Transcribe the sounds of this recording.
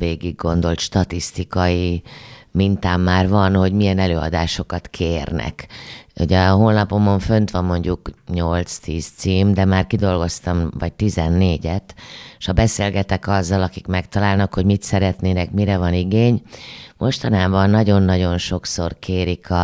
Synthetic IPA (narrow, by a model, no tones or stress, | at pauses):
veːɡiɡːo̞nd̪o̞lt̪ʃt̪ɒt̪ist̪ikɒji | mint̪aːmːaːrvɒnho̞ɟmijɛnɛløːɒ̰d̪aːʃo̞kɒt̪kʰeːrnɛ̰kho̰ɟɛɦoːlnɒpo̞mo̞ɱfø̞nt̪ʋɒmːo̞ɲɟukɲo̞lt̪st̪iːst̪siːmd̪ɛmaːrkid̪o̞lɡo̞st̪ɒmvɒɟ̚t̪izɛnːeːɟɛt̪ʃhɒbɛseːlɡɛt̪ɛkɒzːɒlɒkikmɛkt̪ɒlaːlnɒkho̞ɟmit̪sɛɾɛt̪neːnɛkmiɾɛvɒniɡeːɲmʔo̞ʃt̪ɒnaːbɒnːɒɟo̞nːɒɟo̞nʃo̞kso̞rkʰeːɾikʰɒ